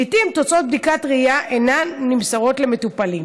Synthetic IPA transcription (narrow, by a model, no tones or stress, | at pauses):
it̪imt̪o̞t͡so̞t̪̚b̚d̪ikat̪ʁijaʔenanːimsaʁo̞tle̞me̞t̪upalim